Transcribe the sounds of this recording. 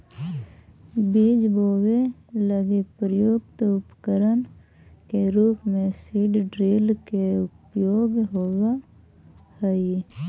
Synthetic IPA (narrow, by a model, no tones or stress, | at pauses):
biːd͡ʒboːweləɡepɾəjoːkt̪ʊpkəɾən | keɾuːpmẽsiːɖɖɾiːlkeʊpjoːɡɦowa | həi